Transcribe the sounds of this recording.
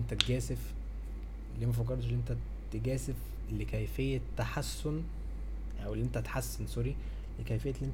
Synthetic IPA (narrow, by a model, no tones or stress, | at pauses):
ent̪æt̪ɡæːsef | lːiːmæfɑk̬ːɑɾˤt̪ˤʃelːiʔent̪æ | t̪eɡæːsef | lːekæjfejːæt̪ːaħasːon | ʔæwelːiʔent̪æt̪ḁħasːensoɾi | lekæjfejːælːm